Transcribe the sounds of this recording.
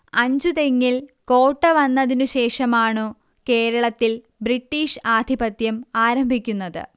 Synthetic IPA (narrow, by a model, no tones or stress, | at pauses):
ɐɲd͡ʑut̪e̞ŋːilko̞ːʈːɐʋɐnːɐðinuɕe̞ːʂɐmaːɳɨ | ke̞ːɾɐɭɐt̪ːil | bɾiʈːiːʂaːd̪ʱibɐt̪jɐmaːɾɐmbʱikʲːunːɐðɨ̰